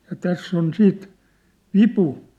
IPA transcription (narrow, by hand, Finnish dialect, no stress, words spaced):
jɑ tæsː on siːt ʋipu